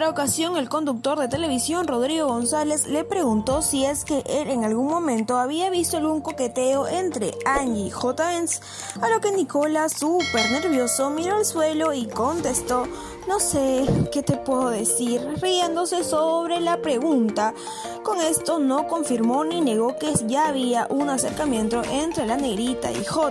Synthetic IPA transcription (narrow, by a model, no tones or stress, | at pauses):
ɾaokasjo̞ŋe̞lko̞nd̪uk̚t̪o̞ɾðe̞t̪e̞le̞β̞isjo̞nro̞ðɾiɣo̞ɣo̞nsale̞zle̞pɾe̞ɣunt̪o̞sie̞ske̞ʔeleŋalɣuŋmõ̞mẽnt̪o̞aβiaβ̞ist̪o̞alɣuŋko̞ke̞t̪e̞o̞ʔe̞nt̪ɾe̞̰and͡ʒixot̪aens | alo̞ke̞niko̞lasupe̞ɾne̞ɾβjo̞so̞miɾo̞alswe̞lo̞iko̞nt̪e̞st̪o̞ | no̞seke̞t̪e̞pweðoðe̞siɾrie̞nd̪o̞se̞soβɾe̞lapɾe̞ɣunt̪a | ko̞ŋe̞st̪o̞no̞ko̞ɱfiɾmo̞nine̞ɣo̞ke̞ʝaːβiaʔunase̞ɾkamjẽ̞nt̪o̞ʔe̞nt̪ɾe̞lane̞ɣɾit̪a̰ḭxo